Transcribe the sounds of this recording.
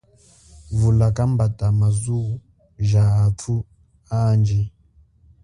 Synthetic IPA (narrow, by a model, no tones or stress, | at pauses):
vulakambatamazuu | ʒaːtʰu | and͡ʒɛ